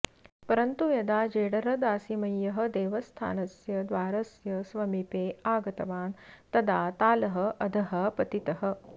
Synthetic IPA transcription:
pɐɾɐnt̪ujɐd̪aːd͡ʒeːɽɐɾɐd̪aːsimɐjːɐɦɐ̆d̪eːʋɐst̪ʰa̰ːnɐsjɐd̪ʋaːɾɐsjɐsʋɐmipeːaːɡɐt̪ɐʋaːnt̪ɐd̪ʱaːt̪aːlɐɦɐ̆ʔɐd̪ʱɐɦɐpɐt̪it̪ɐɦɐ̆

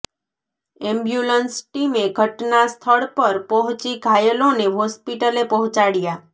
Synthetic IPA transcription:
ɛmbjulənsʈimeɡʱəʈnast̪ʰəɭpəɾpɔɦʊ̃t͡ʃiɡʱajəloneɦɔspiʈəlepɔɦʊ̃t͡ʃaɽja

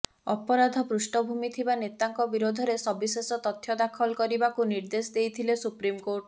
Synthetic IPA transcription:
ɔpɔɾad̪ʱɔpɾusʈɔbʱumit̪ʰibanet̪aŋkɔbiɾod̪ʱɔɾesɔbisesɔt̪ɔt̪ʰjɔd̪akʰɔlkɔɾibakuniɾd̪esɔd̪ejt̪ʰilesupɾimkoʈ

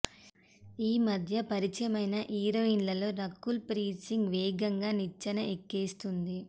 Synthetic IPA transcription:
iːmɐd̪ʱjɐpɐɾit͡ʃɐmɐjnɐʔiːɾoinlɐlo̞ːɾɐkːulpɾiːsiŋɡʋeːɡɐŋɡaːnit͡ʃːɐnɐʔekːeːst̪und̪i

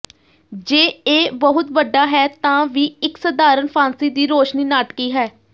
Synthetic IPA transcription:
d͡ʒeːeːbəɦʊt̪ʋəɖːaːɦɛːt̪ãːʋiːɪksəd̪aːɾənpʰãːnsiːd̪iːɾoːʃniːnaːʈkiːɦɛː

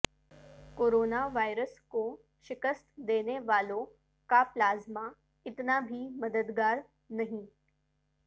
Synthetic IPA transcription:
koːɾoːnaʋaːjɾəsko | ʃɪkəst̪d̪eːneʋaːlõ | kaplaːzma | ɪt̪nabʱiməd̪əd̪ɡaːɾ | nɐɦĩ

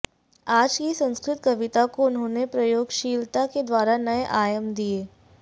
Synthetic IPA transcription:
aːd͡ʒkisɐ̃nskɾɪt̪kɐʋɪt̪akoʊnɦõːnepɾɐjoːɡʃiːlt̪aked̪waːɾanɐeʔaːjəmd̪ieː

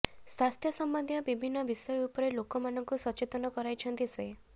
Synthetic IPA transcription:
swast̪ʰjɔsɔmbɔnd̪ʱjɔbibʱinːɔbisɔjɔupɔɾelokɔmanɔŋkusɔt͡ʃet̪ɔnɔkɔɾajt͡ʃʰɔnt̪ise

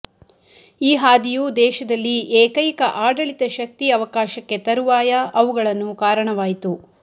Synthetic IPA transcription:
iːɦaːd̪ijud̪ɛːʃɐd̪ɐlːiʔeːkɐjkɐʔaːɖɐɭit̪ɐʃɐk̚t̪iɐʋɐkaːʃɐkːe̞t̪ɐɾuʋaːjɐɐʋuɡɐɭɐnːukaːɾɐɳɐʋaːjit̪u

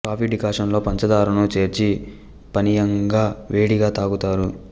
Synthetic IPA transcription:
kaːʋiɖːikaːʂɐnlo̞ːpɐɲt͡ʃɐd̪aːɾunut͡ʃe̞ːɾt͡ʃi | pɐnijɐŋɡaːʋe̞ːɽiɡaːt̪aːɡut̪aːɾu

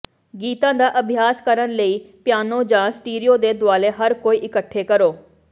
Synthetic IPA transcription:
ɡiːt̪ãːd̪aːʔəbʱɪjaːskəɾənləiːpɪjaːnoːd͡ʒãːsʈiːɾijoːd̪eːd̪ʊaːleːɦəɾkoːiːʔɪkəʈʰːeːkəɾoː

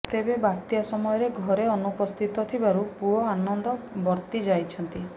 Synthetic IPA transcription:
t̪ebebat̪jasɔmɔjɔɾeɡʱɔɾeɔnupɔst̪ʰit̪ɔt̪ʰibaɾupuɦɔanɔnd̪ɔbɔɾt̪id͡ʒajt͡ʃʰɔnt̪i

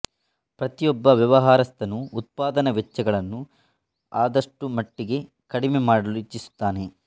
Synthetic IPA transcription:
pɾɐt̪ijɔbːɐʋjɐʋɐɦaːɾɐst̪ɐnuːt̪̚paːd̪ɐnɐʋɛt͡ʃːɐɡɐɭɐnːu | aːd̪ɐʂʈumɐʈːiɡe̞ | kɐɽimemaːɽɐluit͡ʃːisu̥t̪ːaːne̞

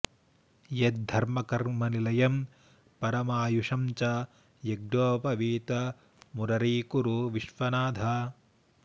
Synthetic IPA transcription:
jet̪̚d̪ʱɐɾmɐkɐɾmɐnilɐjɐm | pɐɾɐmaːjuʂɐmt͡ʃɐ | jeɡɾoːpɐʋiːt̪ɐ | muɾɐɾiːkuɾuʋiʃʋɐnaːd̪ʱaː

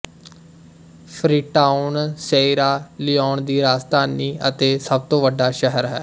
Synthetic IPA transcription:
pʰɾiːʈaːʊnseːiɾaːliːɔːɳd̪iːɾaːst̪aːniːʔət̪eːsəb̚t̪õːʋəɖːaːʃəɦəɾɦɛː

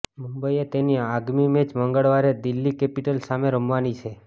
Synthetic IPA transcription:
mũmbəiet̪eniaɡmimed͡ʒməŋɡəɭʋaɾed̪ilːikepiʈəlsameɾəmʋanit͡ʃʰe

